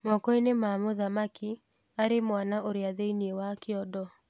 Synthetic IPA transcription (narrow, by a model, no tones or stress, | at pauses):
mɔkɔinemamoðamaki | aɾemwanaʔoɾeaðeiniewakɪɔdɔ